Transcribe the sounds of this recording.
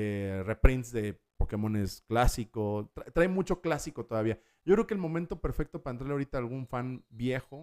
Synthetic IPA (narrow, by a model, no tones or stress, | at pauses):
erepɾinsðe̞ | po̞ke̞mõ̞ne̞sklasikot̪ɾat̪ɾajmut͡ʃo̞klasiko̞t̪oðaβia | ɟ͡ʝokɾeokeːlmo̞mẽnt̪o̞pe̞ɾfe̞k̚t̪opaɾaent̪ɾaɾleaoɾit̪aːlɣuɱfanbje̞xo̞